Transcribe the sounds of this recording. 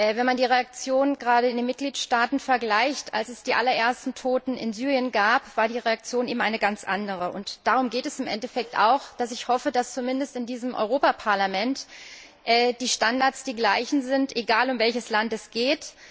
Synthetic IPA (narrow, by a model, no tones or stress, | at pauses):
ʔɛvɛnmandiːʁ̞eak̚t͡sjoːnnɡʁaːɾəɪndeːnmɪt̚ɡ̥liːtʃtaːtn̩fɛɐɡlaɪçta̰lsɛsd̥iːʔa̰lɐʔeːɐstn̩tʰoːtn̩ɪ̰nzyːʁ̞ijənɡaːpv̥aːɐdiːʁeak̚t͡sjoːnʔeːbm̩aɪnəɡant͡sʔa̰ndəʁ̞əʔʊntd̥aːʁ̞ʊmɡeːtɛsɪmʔɛ̰ntɛfɛk̚tʔa̰ʊxd̥asɪçhɔfədast͡sumɪndəstɪndiːzəmʔɔ̰ʏʁoːpapʰaɐlamɛnt | ʔɛːd̥iːʃtandaɐtsd̥iːɡlaɪçn̩zɪntʔeɡaːlʊmvɛlçəslantɛsɡ̥eːt